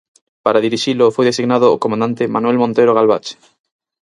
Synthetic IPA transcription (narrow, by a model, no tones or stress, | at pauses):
paɾaðiɾiʃilofojðesiɣnaðoːkomand̪ant̪ɪmanuɛlmõnt̪ejɾoɣalβat͡ʃe̥